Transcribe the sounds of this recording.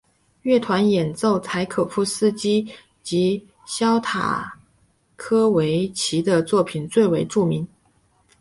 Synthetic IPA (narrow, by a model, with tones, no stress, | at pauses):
ɥɛ˥˩t̪ʰwa˧˥njɛ˨˩nt͡so˥˩ʊt͡sʰa˧˥ɪkʰɤ˨˩fu˥˩sɹ̩˥t͡ɕi˥ | t͡ɕi˧˥ | ɕjɑ˥ʊt̪ʰa̰˨˩ | kʰɤ˥we˧˥ɪt͡ɕʰi˧˥d̪ə˧t͡swɔ˥˩pʰi˨˩nt͡swe˥˩ɪwe˧˥ɪʈ͡ʂu˥˩mi˧˥n